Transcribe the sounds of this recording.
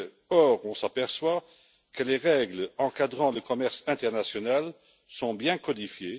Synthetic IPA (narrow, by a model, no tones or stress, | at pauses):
ɔʁɔ̃sapɛʁswa | kəleʁɛɡlɑ̃kad̪ʁɑ̃ləkɔmɛʁsɛ̃t̪ɛʁnasjɔnal | sɔ̃bjɛ̃kɔd̪ifje